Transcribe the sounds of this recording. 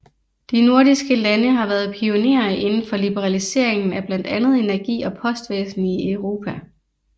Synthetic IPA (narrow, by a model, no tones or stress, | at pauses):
d̥ino̝ɐdisɡ̥əlænəɦɑ̈ʋæːɐð̞ˠpʰio̝ne̝̰ːɐʔe̝nn̩fɒ̽lib̥əʁɑlise̝̰ɐ̰e̝ŋn̩æb̥læn̰d̥ænð̩ˠe̝næɐɡ̥ḭːɒ̽pʰɒ̽sd̥ʋeːsn̩iəʊʁo̝ːpʰæ